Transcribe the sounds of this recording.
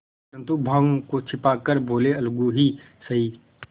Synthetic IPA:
ɾə̃nt̪ubʱə̃ŋkot͡ʃʰɪpaːkəɾboːleɐlɡuɦi | səɦi

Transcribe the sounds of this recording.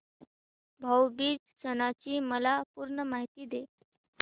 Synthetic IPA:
bʱəwbiːd͡zsənat͡ɕiːməlapuɾɳəmaɦit̪iːd̪e

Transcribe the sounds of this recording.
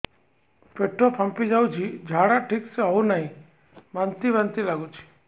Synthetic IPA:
peʈːopʰə̃mpid͡ʒaːud͡ʒʰid͡ʒʱaːɽaʈʰikseɦɔunaɦĩ | mənt̪iʋənt̪ilaːɡut͡ʃʰi̥

